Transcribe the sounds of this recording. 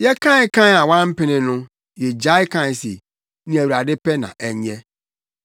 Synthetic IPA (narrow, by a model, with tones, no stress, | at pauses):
jɛ˦kʰã˦kʰã˦a˨wã˦m̩˦pɪ˦nɪ̃˨nʊ̃˦ | jɛ˨d͡ʑa˦ɪ˦kʰã˦˨sḛ˨ | nĩ˦æ˨wa˨dɪ˦pɛ˦nã̰˨ʔɛ˨ɲɛ̃˦